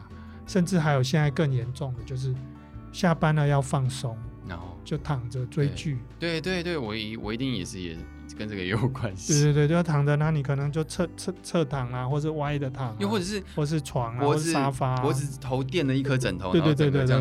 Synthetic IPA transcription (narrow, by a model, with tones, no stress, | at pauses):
ʂə˥˧nʈ͡ʂɻ̩˥˩ɦa˧˥ɪjo˨˩ʊɕjɛ˥˧nt͡sa˥˧ɪkə˥˩njɛ˨˧˥nʈ͡ʂʊ˥˩ŋd̪ə˩t͡ɕjo˥˧ʊʂ̬ɻ̩˥˩ | ɕja˥˨pa˥nə˨jɑ˥˧ʊfɑ˥˩ŋso˦˥ŋt͡ɕjo˥˩ʊt̪ʰɑ˨˩ŋd͡zə˨t͡swe˥ɪt͡ɕy˥˩t̪we˥˩ɪt̪we˥˧ɪt̪we˥˩ɪwɔ˨˩i˧˥wʔɔ̰˨˩i˧˥t̪i˥˩ŋjɛ̰˨˩ʂɻ̩˥˩jɛ̰˨˩ | kə˦nʈ͡ʂə˥˩ɡə˨jo˨˩ʊkwa˦nɕwe˥˧twe˥˧t̪we˥˧˥t̪ʰɑ˨˩ŋd̪ə˨na˧˥ni˨˩kʰɤ˨˩nɤ˧˦ŋt͡ɕjo˥˧ʊt͡sʰt͡sʰt͡sʰɤ˥˧t̪ʰɑ˨˩ŋla˨xwɔ˥˩ʂ̬̩˥˧wa˥˦d̪ə˨t̪ʰɑ˨˩ŋ˥˧wɔ˥˩ʈ͡ʂɤ˨˩ʂɻ̩˥˩wɔ˥˨ʂɻ̩˥˩t͡sʰwɑ˨˩ŋlɔ˧˥˨a˥fa˥wɔ˧˥˩t̪ʰo˧˦ʊt̪jɛ˥˨nd̪ə˨i˥˧kʰɤ˦ʈ͡ʂə˨˩nt̪ʰo˧˦e˥˧we˥˧we˥˧t̪we˥˧e˥˧